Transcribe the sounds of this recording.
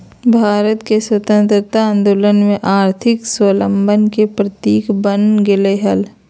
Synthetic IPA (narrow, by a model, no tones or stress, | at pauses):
bʱaːɾət̪keswət̪ə̃nt̪ɾət̪aə̃nd̪oːlənmẽʔaːɾt̪ʰɪkswələ̃mbənkepɾət̪iːkbənɡɪleɦəl